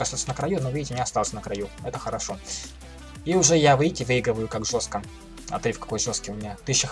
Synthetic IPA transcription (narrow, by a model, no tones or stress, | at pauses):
kɐst̪at̪sʲənəkɾɐjunovɨjtʲɪnʲɪɐst̪alˠsʲənəkɾɐjuɛt̪əxəɾɐʂo̞ | iʊʐɛjavɨjtʲɪvɨiɡɾəvəjʊkakʐo̞st̪̚kə | ɐ̰t̪ɾʲɨfkɐ̥ko̞jʐo̞st̪̚kʲɪjʊmʲɪnʲat̪ɨɕːɪx